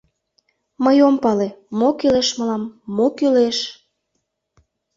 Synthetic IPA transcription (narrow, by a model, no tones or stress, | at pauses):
məjompɑlemokyleʃməlɑmːokyleʃ